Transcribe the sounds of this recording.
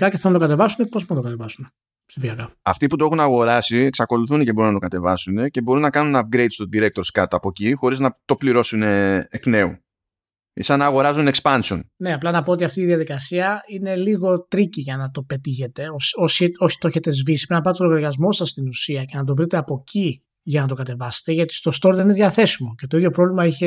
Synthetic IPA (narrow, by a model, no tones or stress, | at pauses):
pçaceθenɐt̪o̞kɐt̪e̞vɐsunepopunɐt̪okɐt̪e̞vɐsune | psifiɐkɐɐft̪iput̪oe̞xunɐɣo̞ɾɐsieksɐko̞luθunecebo̞unɐt̪o̞kɐt̪e̞vɐsune̞ce̞bo̞ɾunːɐkɐnunɐp̚ɡɾe̞jd̪st̪od̪iɾe̞k̚t̪o̞ɾskɐt̪ɐpo̞cixo̞ɾiznɐt̪o̞pliɾo̞suneːkne̞ṵ | ḭsɐnɐːɣo̞ɾɐzune̞kspɐnsio̞nne̞ɐplɐnɐpoot̪iɐft̪iðjɐðikɐsiɐine̞liɣo̞t̪ɾiciʝɐnɐt̪o̞pe̞t̪içe̞t̪e̞oso̞soçi̥t̪oçet̪e̞zvisipɾinɐpɐt̪est̪oɐɾɣɐzmo̞sɐsːt̪inusiɐce̞nɐt̪̬o̞vɾit̪eɐpo̞cʰi | ʝɐnɐt̪o̞kɐt̪e̞vɐse̥t̪e̞ʝɐt̪i̥st̪o̞st̪o̞ɾðenineðʝɐθe̞simo̞ce̞t̪oiðʝo̞pɾo̞vlimɐiçe̞